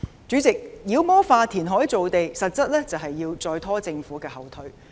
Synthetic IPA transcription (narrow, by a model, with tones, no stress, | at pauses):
t͡ʃyː˨˥t͡sɪ˨k̚jiː˨˧wmɔː˥faː˧t̪ʰiː˨˩nɦɔː˨˥ji˧t͡so˨wt̪e˨jsɐ˨t̚t͡sɐ˥t̚lɛː˥t͡sɐ˨wɦɐ˨jːiː˧wt͡sɔː˧jt̪ʰɔː˥t͡sɪ˧ŋfuː˨˥kɛː˧hɐ˨˩wt̪ʰɵ˨˥ɥ